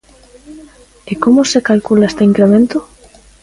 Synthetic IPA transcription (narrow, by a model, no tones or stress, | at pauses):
ekomosekalkulaest̪eiŋkɾemẽnt̪o